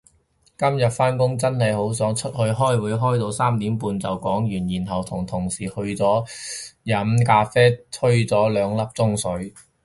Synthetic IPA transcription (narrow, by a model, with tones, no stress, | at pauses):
kɐ˥mjɐ˨t̚faː˥nkʊ˥ŋt͡sɐ˥nhɐ˨jho˨˥wsœː˨˥ŋt͡ʃʰɵ˥t̚hɵ˧ɥɦɔː˥jwuː˨˧jɦɔː˥jt̪o˧wsaː˥mt̪iː˨˥mpuː˧nt͡sɐ˨wkɔː˨˥ŋjyː˨˩njiː˨˩nɦɐ˨wt̪ʰʊ˨˩ŋt̪ʰʊ˨˩ŋsiː˨˩hɵ˧ɥt͡sɔː˨˥jɐ˨˥mkaː˧fɛː˥t̪ʰɵ˥ɥt͡sɔː˨˥lœː˨˧ŋlɐ˥p̚t͡sʊ˥ŋsɵ˨˥ɥ